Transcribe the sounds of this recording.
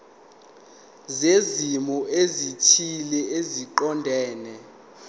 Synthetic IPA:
zezimɔʔezitʰilɛeziǃɔndʱɛːnɛ

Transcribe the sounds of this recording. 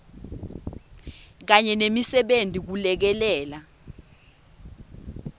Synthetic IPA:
k̬aɲɛnemisɛɓentʼik̬ulɛk̬ɛlɛːla

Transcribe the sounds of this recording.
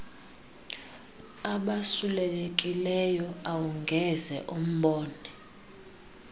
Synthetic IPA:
aɓasulɛlekʼilɛjɔawuŋɡʱɛzɛ̰ʔum̩ɓɔːnɛ

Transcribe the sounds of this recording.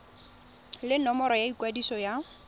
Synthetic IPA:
lɪnɔmɔɾɔjaikwadisɔja

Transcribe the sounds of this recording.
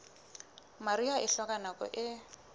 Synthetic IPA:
maɾiaʔɪɬɔkʼanakʼɔ̰ʔɪ

